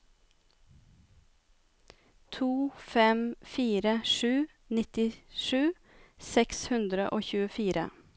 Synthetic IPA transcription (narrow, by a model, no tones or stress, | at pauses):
t̪ʰuːfɛmfiːɾəʂʉː | nɪt̪ɪʃʉː | sɛkshʉnd̪ɾəʔoːçʉːəfiːɾʔə̰